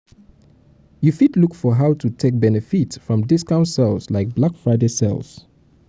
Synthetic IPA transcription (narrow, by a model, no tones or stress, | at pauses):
jufitlukfɔɦaʊtʰutʰek̚bɛnɛfitsfɹɔ̃mdɪskãʊ̃ntsɛlˠslaɪk̚blakfɹaɪdesɛ̰lˠz̥